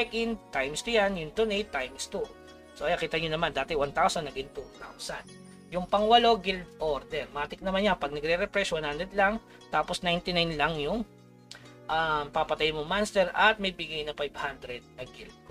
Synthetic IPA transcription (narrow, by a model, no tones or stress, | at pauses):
ɛkɪnt̪ajmst̪ʊjanjʊŋt̪ʊnejt̪ːajmst̪u | soʔɐjɐkiːt̪ɐɲonɐmand̪aːt̪ɛwant̪awsɐnːɐɡɪŋt̪ut̪a̰wsan | jʊŋpɐŋwɐlo̞ɡɪld̪̚ʔoɾd̪ɛnmaːt̪ɪk̚nɐmanjapɐɡ̚nɐɡɾɛɾɛpɾɛswanhand̪ɾɛd̪laŋ | t̪aːposnajnt̪ɪnajnlɐŋjʊŋ | ʔampɐpɐt̪ajmoŋmanst̪ɛɾɐt̪̚mɐjbɪɡajnɐfajb̥hand̪ɾɛd̪̚nɐɡɪld̪̚